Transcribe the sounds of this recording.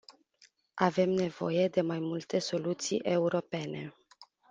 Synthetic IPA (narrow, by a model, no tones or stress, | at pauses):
ave̞mne̞vo̞̰je̞d̪e̞majmult̪e̞so̞lut̪sḭjʔe̞uɾo̞pe̞ne̞̰